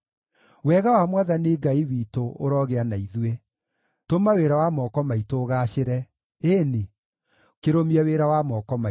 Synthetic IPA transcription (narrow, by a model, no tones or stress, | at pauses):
wɛɣawamwaðaneɡaiwiːtoʔoɾɔɣeanaiðwe | tomaweɾawamɔkɔmaitoɣaɕeɾɛ | eːne | keɾomiaweɾawamɔkɔma